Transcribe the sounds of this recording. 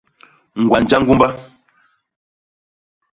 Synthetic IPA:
ŋ̩˨ɡwa˨n̩˨d͡ʒa˦ŋ̩˦ɡu˦mba˦

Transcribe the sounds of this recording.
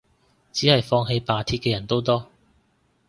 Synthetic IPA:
t͡ɕiː˨˦˥ha˨˧˩jfɔ˧ŋɦe˧jpaː˨˧t̪ʰi˧ke˧jɐ˨˩nt̪o˥t̪̬ɔ˥

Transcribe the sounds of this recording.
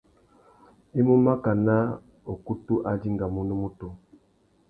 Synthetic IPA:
e˦mu˦ma˦ka˨na˦ | o˨ku˦tu˦ʔa˦di˦ŋɡa˨mu˨nu˦mu˦to˨

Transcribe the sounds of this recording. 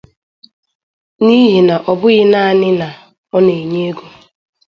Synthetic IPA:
ni˦ɦi˨na˨ʔɔ˨bʊ˦ɣɪ˦na˦a˦˨nɪ˦na˨ | ɔ˦ne˨ɲe˦e˦ɡo˨

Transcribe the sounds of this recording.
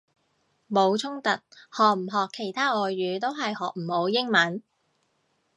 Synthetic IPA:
mo˨˧wt͡sʰʊ˥ŋt̪ɐ˨t̚hɔː˨k̚m̩˨˩ɦɔː˨kʰːe˨˩jt̪ʰaː˥ʔɔː˨˧jːyː˨˧t̪o˥wɦɐ˨jhɔː˨k̚m̩˨˩ho˨˧wjɪ˥ŋmɐ˨˥n

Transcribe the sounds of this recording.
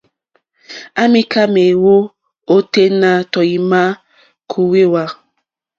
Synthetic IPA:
a˦mi˦ka˦me˨wo˦ | o˦te˦na˨tɔ˨ji˨ma˦ | kʰu˨we˦wa˦

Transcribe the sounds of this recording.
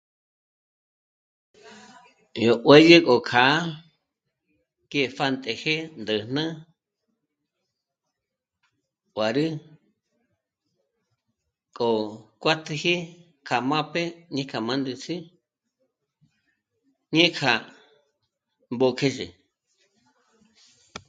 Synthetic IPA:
jo˨ʔwe˦je˦kʼo˨kʰa˨˦ | ke˦˨fa˦˧nt̪ʼe˨he˦nd̪ə˨nã˦ | wa˨ɾɨ˦ | kʼo˨kʷa˦t̪ʰi˧hi˦ | kʰa˨mã˦pe˦ɲẽ˦kʰa˨mã˦nd̪ɨ˧t͡sʰi˦ | ɲẽ˦kʰa˨ | mbo˧kʰe˦ʒḛ˨

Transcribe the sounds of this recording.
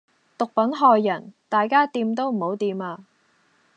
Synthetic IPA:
t̪ʊ˨k̚pɐ˨˥nɦɔː˧jːɐ˨˩nt̪aː˨jkaː˥t̪iː˧mt̪o˥wm̩˨˩ho˨˥wt̪iː˧maː˧

